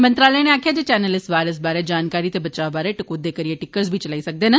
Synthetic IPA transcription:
mənt̪ɾaːləːneaːkʰjaːd͡ʒeːt͡ʃɛːnəlɪssʋaːɾəsbaːɾeːd͡ʒaːnkaːɾiːt̪eːbət͡ʃaːbaːɾeːʈɪkoːd̪eːkəɾijeːʈɪkəɾsbʱiːt͡ʃəlaːiːsək̚d̪eːna

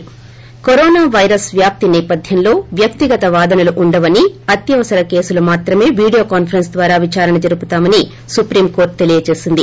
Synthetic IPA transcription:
koɾɔːnaːʋɐjɾɐsʋjaːp̚t̪inɛːpɐd̪ʱjɐmlo̞ːʋjɐk̚t̪iɡɐt̪ɐʋaːd̪ɐnɐluʔuɳɖɐʋɐniɐt̪jɐʋɐsɐɾɐke̞ːsulɐmaːt̪ɾɐme̞ːʋiːɽijo̞ːkaːnpʰɐɾɐnsd̪ʋaːɾaːʋit͡ʃaːɾɐnɐd͡ʒɐɾuput̪aːmɐni | supɾiːmko̞ːɾʈ̚t̪e̞lijɐt͡ʃe̞ːsind̪i

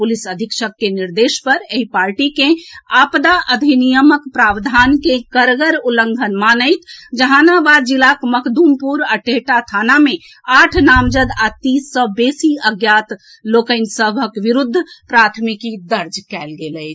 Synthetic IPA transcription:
pulisəd̪ʱikʃəkːeniɾd̪eʃpəɾeɦipaɾʈikẽapd̪aʔəd̪ʱinijəməkpɾabd̪ʱankekəɾɡəɾuləŋɡʱənmanəjt̪ʰd͡ʒəɦãnabad̪̚d͡ʒilakməkʰd̪umpuɾaʈeʈat̪ʰaname | aʈʰnamd͡ʒəd̪at̪isːə̃besiəɡjat̪ | lokəɪnsəbʱəkʋiɾud̪ʱːpɾat̪ʰmikid̪əɾd͡ʒkɛlɡeləjt̪

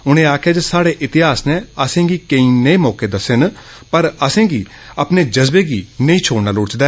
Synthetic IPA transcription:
ʊñẽːaːkʰeːd͡ʒsaːɽeːʔɪt̪ɪɦaːsnẽːəsẽːɡiːkəĩːneĩːmɔːkeːd̪əsen | pəɾəsẽːɡiː | əpneːd͡ʒəzbeːɡiːnəĩːt͡ʃʰoːɽnaːlʊt͡ʃd̪aː

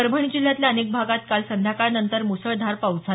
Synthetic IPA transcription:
əɾbʱəɳ̃id͡ʑil̤jat̪ljaənek̚bʱaɡat̪̚kalsənd̪ʱjakaɾnənt̪əɾmusəɭd̪ʱaɾpawd͡za

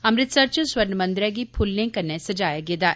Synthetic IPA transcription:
ɐmɾɪt̪sɐɾt͡ʃəswɐɾnmə̃nd̪ɾɛɡipʰʊlːẽŋkɐɾnesɐd͡ʒaːjaɡeːd̪aː

